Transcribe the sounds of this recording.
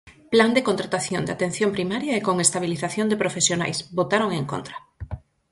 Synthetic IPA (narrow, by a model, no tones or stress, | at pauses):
pland̪ekont̪ɾat̪aθjond̪at̪ẽn̟θjõmpɾimaɾjaekoŋest̪aβ̞iliθaθjõnd̪epɾofesjona̰jsbot̪aɾoŋeŋko̰nt̪ɾḁ